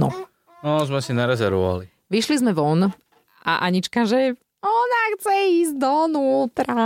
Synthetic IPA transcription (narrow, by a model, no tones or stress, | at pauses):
nɔ̰ | nɔzmɛsinaɾɛzɛɾʋɔʋa̰li | ʋiʃlizmɛʋɔn | a̰ʔaɲit͡ʃkaʒɛ | ɔnaxt͡sɛiːzd̪ɔnuːt̪ɾa